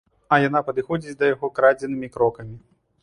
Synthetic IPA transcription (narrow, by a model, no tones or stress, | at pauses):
ɐjanapɐd̪ɨxɔd͡zʲit͡sʲd̪ɐjaɣɔkɾad͡zʲɛnɨmʲikɾɔkɐmʲi